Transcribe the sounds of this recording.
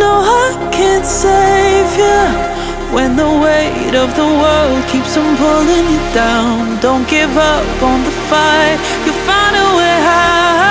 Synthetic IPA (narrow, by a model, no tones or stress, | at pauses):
noʊa | kʰɨ̃nseɪvjə | wʔɨ̃nðəweɪ | ɾʌvðəwɜ˞lˠd̚kʰipsʌ̃mpʰʊlˠɪ̃ŋjɨd̥ãʊ̃ndõʊ̃n̚ɡ̥ɪvʌpn̩ðəfaɪt̚ | jɨfãɪ̃nəweɦa